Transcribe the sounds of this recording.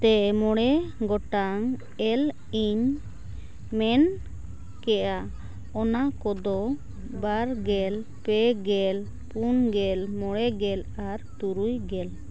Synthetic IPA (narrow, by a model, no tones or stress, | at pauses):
t̪ɛmɔɽɛɡɔʈaŋ | ɛl | iɲ | mɛn | kɛʔa | ɔnakɔd̪ɔ | baɾɡɛl | pɛɡɛl | punɡɛlmɔɽɛɡɛlaɾt̪uɾujɡɛl